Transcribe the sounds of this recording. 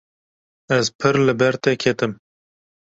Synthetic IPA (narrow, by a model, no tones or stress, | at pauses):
ɛzpʰɨɾlɨbɛɾt̪ɛkʲʰet̪ɨm